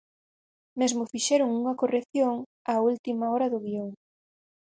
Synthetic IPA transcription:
mezmʊfiʃɛɾʊŋuŋɐkoreθjoŋault̪imaɔɾɐðʊɣioŋ

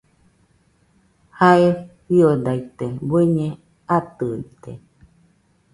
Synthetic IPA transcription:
haewiod̪ait̪ebweɲẽ | at̪ɯit̪ḛ

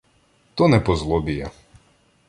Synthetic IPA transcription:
t̪ɔnɛpɔzlˠɔbʲijɐ

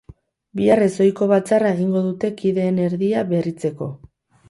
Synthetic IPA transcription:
biare̞so̞jko̞βat͡sarae̞ɣ̞iŋɡo̞ðut̪e̞kiðe̞ːne̞ɾðiaβe̞rit͡se̞ko̞

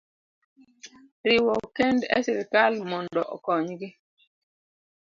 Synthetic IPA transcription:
ɾɪwɔkendɛ̰siɾikalmɔndɔʔɔkɔɲɡɪ

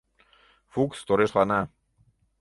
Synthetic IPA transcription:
fukst̪oɾeʃlanɑ

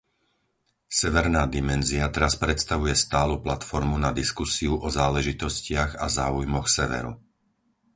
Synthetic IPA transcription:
sɛʋɛɾnaːd̪imɛnziat̪ɛɾaspɾɛt̪st̪aʋujɛst̪aːluplat̪fɔɾmunad̪iskusiuʔɔzaːlɛʒit̪ɔscɪaɣazaːujmɔxsɛʋɛ̰ɾṵ

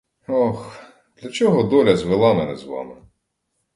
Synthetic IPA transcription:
ɔx | d̪lʲɐt͡ʃɔɦɔd̪ɔlʲɐzʋɪlˠɑmɛnɛzʋɑ̰mɪ

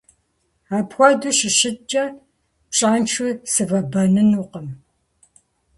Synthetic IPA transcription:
aːpxʷɔduɕɪʃɪt͡ʃʼːɐ | pɕʼaːnt͡ʃʰusɨvɐbɐnɨnuːqəm

